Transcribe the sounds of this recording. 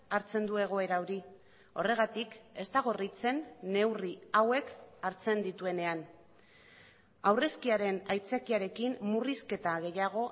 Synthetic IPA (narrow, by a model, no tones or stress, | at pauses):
aɾt͡se̞nd̪ue̞ɣ̞o̞e̞ɾaoɾi | o̞re̞ɣ̞at̪ike̞st̪aɣ̞o̞rit͡se̞nːe̞wriawe̞kaɾt͡se̞nd̪it̪ue̞ne̞an | awre̞skiaɾe̞najt͡sakiaɾe̞kimmuriske̞t̪aɣ̞e̞jaɣ̞o̞